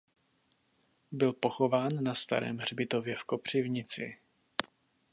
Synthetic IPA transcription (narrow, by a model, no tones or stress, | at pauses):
bɪlpo̞xo̞vaːnːast̪a̰ɾɛ̰ːmr̝bɪt̪o̞vjɛfkopr̝̥ɪvɲɪt͡sɪ̰